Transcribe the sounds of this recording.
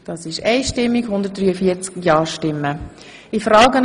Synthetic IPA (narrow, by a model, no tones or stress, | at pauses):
d̥ɑːsɪʃɛɪʃtɪmːikhʊndət̚d̥ryːəfit͡skjɑːɹʃtɪmːə | ifɾɑːɡən